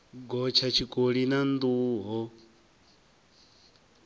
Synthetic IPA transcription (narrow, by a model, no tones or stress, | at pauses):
ɡɔt͡ʃʰat͡ʃʰikʼoɺinand̪uːɦɔ